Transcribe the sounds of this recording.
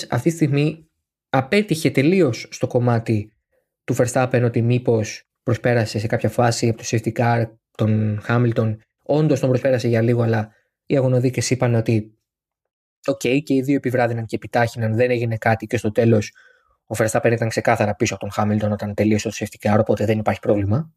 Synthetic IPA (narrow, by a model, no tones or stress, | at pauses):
ɐ̰ft̪it̪ist̪iɣmi | ɐpe̞t̪içe̞t̪e̞lio̞sːt̪o̞ko̞mɐt̪i | t̪ufeɾst̪ɐpenot̪imipo̞s | pɾo̞spe̞ɾɐse̞sekɐpçɐfɐsiɐpot̪o̥seft̪ikɐɾ | t̪o̞nxɐmilt̪o̞n | o̞nd̪o̞st̪o̞mbɾope̞ɾɐse̞ʝɐliɣoɐlɐ | iɐɣo̞no̞ðice̞sipɐneo̞t̪i | o̞ce̞ice̞iðio̞epivɾɐðinɐnceepit̪ɐçinɐnðe̞ne̞ʝine̞kɐt̪ice̞st̪ot̪e̞lo̞s | ofest̪ɐpenit̪ɐŋkse̞kɐθɐɾɐpisopot̪o̞nxɐmilt̪o̞no̞t̪ɐnt̪e̞liosot̪o̥seft̪i̥kɐɾo̞po̞t̪e̞ðe̞nipɐɾçipɾo̞vlimɐ